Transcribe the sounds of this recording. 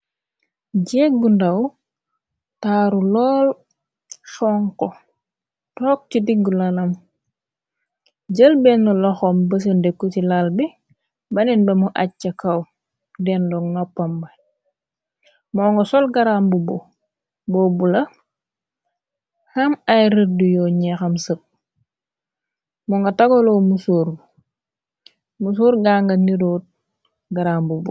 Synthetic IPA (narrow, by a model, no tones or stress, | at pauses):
ɟɛːɡundɐw | taɾulɔːl | sɔŋkɔ | tɔːk̚tidiɡːulɐlɐm | ɟəlbɛŋːɔlɔxɔmbəs̬əndekːutilalbi | bɐninbɛmuʔat͡ʃːɐkɐw | dɛndɔŋnɔpːɐmbɐ | mɔːŋɡosɔlɡaɾambubo | boːbulɐ | hamajɾədujɔɲɛxɐmsəp̚ | mɔŋɡataɡolomusuːɾb | mus̬uːɾɡaːŋɡaniɾoːt̚ | ɡaɾambubu